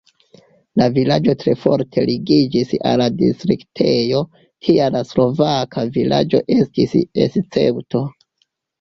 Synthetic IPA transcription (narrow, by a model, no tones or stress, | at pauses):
lavilad͡ʒo̞tɾe̞fo̞̰ɾtʰe̞liɡid͡ʒisa̰lːadḭstɾiktʰejo̞ | kʰialaslo̞vakʰavila̰d͡ʒo̞ʔe̞stisḛst͡se̞̰wto̞